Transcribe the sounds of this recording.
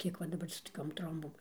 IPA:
ˈkʲiɛk ʋɐ dɐˈbɐr sʊ toːˈkʲoːm ˈtroːmboːm

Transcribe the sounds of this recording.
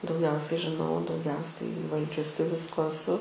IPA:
dɐʊˈɡʲɛʊsʲɛɪ ʒʲɪˈnɐʊ dɐʊˈɡʲɛʊsʲɛɪ iːˈʋɐlʲd͡ʒʲʊsʲɪ ˈʋʲɪskoː ɛˈsʊ

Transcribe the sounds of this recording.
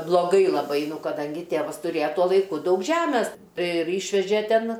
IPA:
blˠoːˈɡɐɪ lˠɐˈbɐɪ ˈnʊ kɐˈdɐŋʲɡʲɪ ˈtʲeːʋɐs tʊˈrʲeːjɛ ˈtuɔ lˠɐɪˈkʊ ˈdɐʊk ˈʒʲæːmʲɛs ˈtɐɪ ɪr ˈiːʃʲʋʲɛʒʲeː ˈtʲɛn

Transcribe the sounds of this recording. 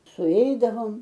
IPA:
sʊˈɛɪdɐʋoːm

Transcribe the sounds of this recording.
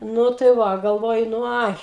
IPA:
ˈnʊ tɐɪ ˈʋɐ ɡɐlˠˈʋoːjʊ nʊ ˈɐɪ

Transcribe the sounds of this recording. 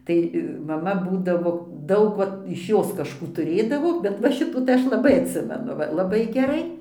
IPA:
ˈtɐɪ mɐˈmɐ ˈbuːdɐʋoː ˈdɐʊk ˈʋɐt ɪʃ ˈjoːs kɐʃˈkuː tʊˈrʲeːdɐʋoː bʲɛt ʋɐ ˈʃʲɪtuː ˈɐʃ lˠɐˈbɐɪ ɐtʲˈsʲɪmʲɛnʊ lˠɐˈbɐɪ ɡʲɛˈrɐɪ

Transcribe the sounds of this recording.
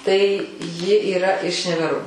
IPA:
tɐɪ ˈjɪ iːˈrɐ ɪʃ nʲɛʋʲɛˈroː

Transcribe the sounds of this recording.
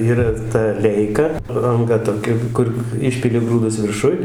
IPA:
ˈiːrɐ tɐ ˈlʲɛɪkɐ ɐŋˈɡɐ toːˈkʲɛ ˈkʊr ˈɪʃʲpʲɪlʲɪ ˈɡruːdʊs ʋʲɪrˈʃʊj

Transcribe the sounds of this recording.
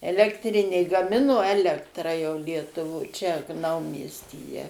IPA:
ɛlʲɛktʲˈrʲɪnʲeː ɡɐˈmʲɪnoː ˈæːlʲɛktrɑː jɛʊ lʲiɛtʊˈʋoːj t͡ʃʲɛ ˈnɐʊmʲiɛsʲtʲiːjɛ

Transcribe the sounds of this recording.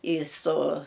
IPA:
iː soː

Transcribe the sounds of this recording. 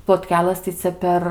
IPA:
plˠoːtʲˈkʲæːlˠɘs tɐɪ ˈt͡sʲɛ pʲɛr

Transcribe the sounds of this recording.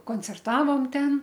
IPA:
koːnʲt͡sʲɛrˈtɑːʋoːm ˈtʲɛn

